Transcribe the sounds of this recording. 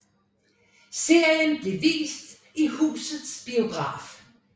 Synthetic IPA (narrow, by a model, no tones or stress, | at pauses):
se̝ɐ̰jənb̥le̝ʋḭːsd̥ | ihṵːsð̩ˠsb̥io̝ɡ̥ʁɑ̰̈ːf